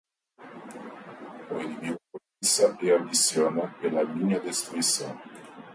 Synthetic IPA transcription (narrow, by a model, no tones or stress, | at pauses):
oinivid̪olisɐeamd̪isjonɐpelɐliɲɐd̪est̪ɾuisɐ̰̃w̃